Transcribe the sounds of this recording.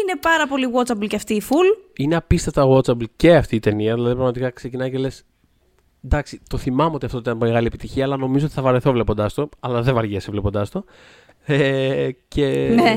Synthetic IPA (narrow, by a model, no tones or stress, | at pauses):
ine̞pɐɾɐpo̞liɣwot͡sɐblceɐft̪iːfulineɐpist̪ɐt̪ɐɣwot͡sɐblce̞ɐft̪iːt̪e̞niɐðilɐðipɾɐɣmɐt̪ikɐkse̞cinɐjcele̞s | d̪ɐksit̪o̞θimɐmeo̞t̪iɐft̪ot̪it̪ːɐnmeɣɐliepit̪içiɐːlɐno̞mizot̪θɐvɐɾeθovle̞po̞nd̪ɐst̪o̞ɐlɐðevɐɾʝesevle̞po̞nd̪ɐst̪o̞ | ecʰe̞